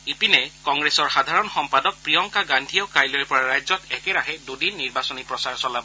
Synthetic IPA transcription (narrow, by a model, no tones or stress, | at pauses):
ipinekɔŋɡɾesɔɹxad̪ʱaɹɔnxɔmpadɔk̚pɹijɔŋkaɡand̪ʱijɔkajlɔɾpɔɹaɹajzɔt̪ɛkeɾaɦedudinːiɹbasɔnipɹɔsaɹsɔlabɔ